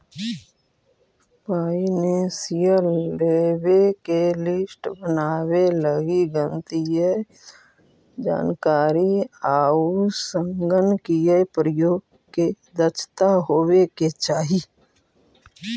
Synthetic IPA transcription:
paːinesijəɾlebekelɪsʈbənaːweləɡiɡə̃nt̪ije | d͡ʒa̰ːnkaːɾiaːusə̃ŋɡənkijepɾəjoːɡ | ke | d̪ət͡ʃʰt̪aɦoːweket͡ʃaːɦi

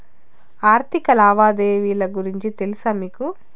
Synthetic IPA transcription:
aːɾt̪ʰikɐlaːʋaːd̪eːʋiːlɐɡuɾiɲt͡ʃit̪e̞lusaːmiːku

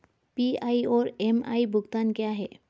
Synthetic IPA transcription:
piajoɾema̰jbʱuɡt̪ankeaɦe

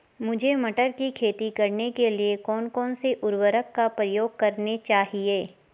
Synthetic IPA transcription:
mʊd͡ʒʱemɐʈəɾkikʰeːt̪ikɐɾnekeliekɔːnkɔːnseʔʊɾʋəɾəkːapɾɐjoːɡ̚kɐɾnet͡ʃaːɦieː

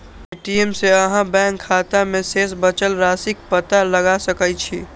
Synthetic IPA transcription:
eːʈiemseəɦãbɛ̃ːŋkʰːaːt̪amẽseːsbət͡ʃəlɾaːsɪk̚pət̪aləɡasəkət͡ʃʰiː

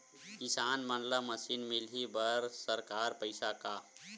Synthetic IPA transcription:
kisaːnmənlaməsinmilɦibəɾsəɾkaɾpəɪsaka

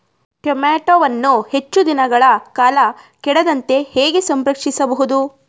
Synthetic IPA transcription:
kemaːʈoʋɐnːuhet͡ʃːud̪inɐɡɐɭɐkaːlɐ | kɛɽɐd̪ɐnt̪e̞heːɡe̞sɐmɾɐkʂisɐbɐɦud̪u

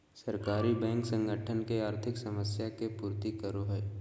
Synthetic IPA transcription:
sɐɾkaːɾibɛ̃ːŋksə̃ŋɡʱəʈʰənkeaːɾt̪ʰɪksɐməsjakepuːɾt̪ikəɾoɦə

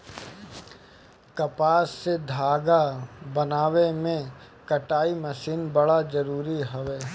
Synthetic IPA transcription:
kɐpaːsːed̪ʱaːɡabɐnaːʋemẽ | kɐʈaːimɐsiːnbɐɽazɐɾuːɾiɦɐʋeː

